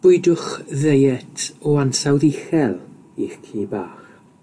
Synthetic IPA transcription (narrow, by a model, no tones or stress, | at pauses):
b̥ʊɨdʊχðejɛtʰɔansawðiχɛlˠ | iχkʰiːbaːχ